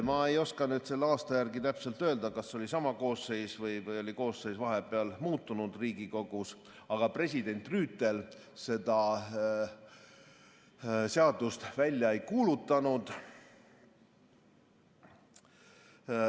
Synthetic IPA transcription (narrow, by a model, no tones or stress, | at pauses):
mɑe̞jo̞skɑnyːd̪̥se̞lːeɑːst̪ɑjærɡit̪æpse̞lt̪ø̞ːld̪ɑkɑsːo̞lʲisɑmɑko̞ːsːe̞jsvɤjvɤjo̞lʲiko̞ːsːe̞jsvɑɦepeɑlmuːt̪ˑːunud̪riːɡiko̞ɡ̥us | ɑɡ̥ɑpre̞s̬ʲid̪e̞nʲt̪ˑryːt̪ːˑe̞l | se̞d̪̥ɑ | seɑd̪̥ust̪vælʲjɑejkuːlut̪ːˑɑnud̪̥